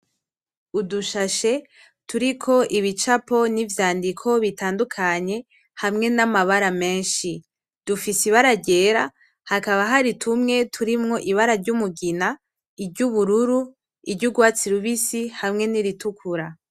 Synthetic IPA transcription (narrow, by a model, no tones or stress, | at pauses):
uduʃaʃe̞ | tuɾikʰo̞ʔiβit͡ʃapo̞nivjaːndikʰo̞βitaːndukʰaɲe̞ | hamŋe̞namaβaɾame̞ːnʃi | d̥ufisiβaɾaɟe̞ːɾa | hakaβaɦaɾitʰumŋe̞tʰuɾimŋo̞ʔiβaɾaɾɟumuɡina | ibɟuβuɾuɾu | iɾɟuɡwaːt͡siɾuβisihamŋe̞niɾitukʰuɾa